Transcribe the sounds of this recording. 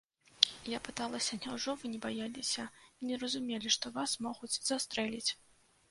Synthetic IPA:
japɨt̪alˠɐsʲɐnʲawʐɔvɨnʲɛbajalʲisʲɐinʲɛɾɐzumʲelʲiʂt̪ɔvasmɔɣut͡sʲzast̪ɾɛlʲit͡sʲ

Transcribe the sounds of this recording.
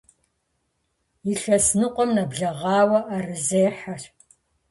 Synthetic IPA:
jiɬɐsnɨqʷʼɔmnɐbɮɐʁɑːwɐʔarɨzeːħar

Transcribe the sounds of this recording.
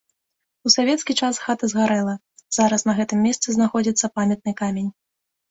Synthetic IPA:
usavʲɛt̪skʲit͡ʂasxat̪ɐzɣaɾɛlˠɐ | z̥aɾɐsnɐɣɛt̪ɨmʲːɛst̪sɨznaxɔd͡zʲit̪sːɐpamʲɛt̪̚nɨkamʲenʲ

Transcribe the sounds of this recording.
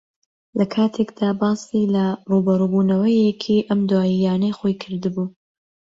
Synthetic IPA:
lɐkʰaːt̪ʰe̞kd̪aːbɑːsilɐruːbɐɾuːbuːnɐwɐjekʰiʔɐmd̪waːjijaːnɐjxo̞jkʰɨɾd̪ɨbuː

